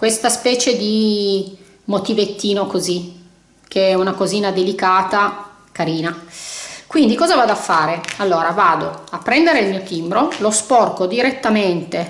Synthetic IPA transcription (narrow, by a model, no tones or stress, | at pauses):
kwest̪aspɛːt͡ʃed̪i | mot̪ivet̪ːiːnokozi | kʰeɛunakoziːnad̪elikaːt̪a | kaɾiːna | kwind̪ikɔːzavaːd̪oafːaːɾealːoːɾavaːd̪oapːɾɛnd̪eɾeilmiːot̪imbɾolospɔrkod̪iɾet̪ːament̪e